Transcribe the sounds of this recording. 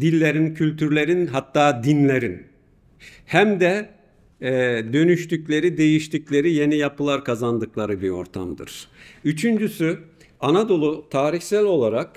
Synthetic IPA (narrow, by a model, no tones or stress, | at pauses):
d̪ilʲːe̞ɾincʰylʲt̪ʰyɾlʲe̞ɾinɦat̪ːaːd̪inlʲe̞ɾin | hæmd̪ɛ | d̪ø̞nyʃt̪yclʲe̞ɾid̪e̞jiʃt̪ʰiclʲe̞ɾije̞nijapɯlˠaɾkʰazand̪ɯklˠaɾɯbio̞̰ɾt̪ʰa̰md̪ɯ̰ɾ̥yt͡ʃʰynd͡ʒysy | anad̪o̞lˠut̪ʰaːɾiçsælʲo̞lˠaɾak